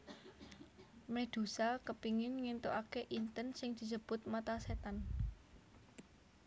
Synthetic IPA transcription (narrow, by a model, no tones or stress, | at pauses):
med̪̥ṳsakəpiŋɪnŋint̪oʔakeʔint̪ənsɪŋd̪̥i̤səb̥ʊ̤t̪̚mat̪aset̪an